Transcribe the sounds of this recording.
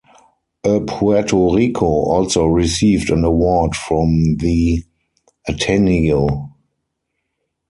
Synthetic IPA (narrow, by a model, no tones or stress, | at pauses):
ʔəpʰuɛtʰoɹikʰoʔɔlsoʊɹisiːvdæ̃nəwɔdfɹɔ̃mði | ʔatʰɛnio